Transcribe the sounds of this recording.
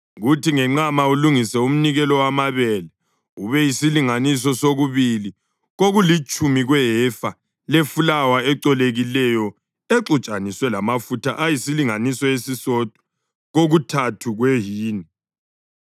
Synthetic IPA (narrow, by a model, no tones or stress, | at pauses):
ɣutʰiŋɛŋ͡ǁamauluŋisɛum̩niɣɛlɔwamaβɛlɛ | uβɛjisiliŋanis̬ɔsoɣuβili | ɣoɣulit͡ʃʼumiɣwɛɦɛfa | lefulawaɛǀɔleɣilɛjɔ | eǁut͡ʃʼaniswɛlamafutʰaʔajisiliŋanisɔjesisɔd̥ʱʼɔ̥ | ɣoɣutʰatʰuɣweɦiːni